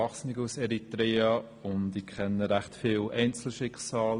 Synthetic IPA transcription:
ɑχsnɪɡusɛɾitɾeːɑ | ʊndɪkʰχɛnːəɾaχtfɪːlʔɛɪnt͡sl̩ʃɪkχsɑːl

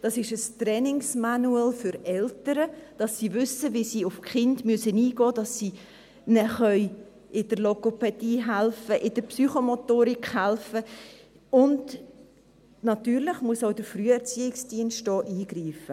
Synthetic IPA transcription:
d̥ɑsɪʃəstɾɛnɪŋsmɑnuɛlfʏɾɛltəɾəd̥ɑsːiːvʏsəvisiːʊfkχɪndmyəsəniːɡ̥ɔːd̥ɑsːiː | nɛχœʏ | ʔɪd̥əɾlokopɛd̥iːɦælfəʔɪd̥əɾpsyχomotoːɾikhælfə | ʊnd | nɑtyːɾlɪχmuəsaʊd̥əfɾyːəɛɾt͡siːɪksd̥iənstɔːʔiːɡ̥ɾiːfə

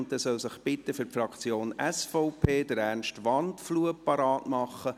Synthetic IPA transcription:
nttːɛsœlsəχb̥ɪt̪ːəfʏrpfrɑkt͡sjoːnɛsfɔʊpʰeːdəɾærnʃtʋɑntfluəpɑɾɑːtmɑχːə

